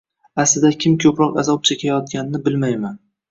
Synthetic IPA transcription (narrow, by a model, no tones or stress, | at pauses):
aslɪd̪akʲʰɪmkʲʰɵpɾɒqazɒp̚t͡ʃʰekʲʰajɒt̪̚ɡʲanɪnɪbɪlmajman